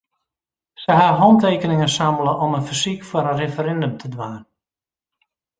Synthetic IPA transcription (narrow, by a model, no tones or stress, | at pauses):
səɦaɦɔnteːkənɪŋənsaməlˠəʔɔmənfəsikfəɾənrefəɾɛndəmtʰədʋaːn